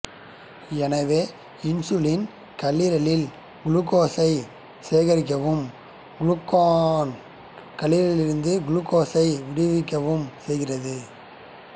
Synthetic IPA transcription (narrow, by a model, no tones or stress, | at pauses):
ɛnɐʋeː | ɪnsʊlɪn | kɐlːiːɾɐɭɪl | ɡʊlukːoːsɐɪ | seːɣɐɾɪk̬ːɐʋɯm | ɡʊɭʊkːoːn | kɐlːiːɾɐɭɪlɪɾɯnd̪ɯɡʊɭukːoːsɐɪʋɪɽɪʋɪkːɐʋɯmsɛjɣɪrɐðɯ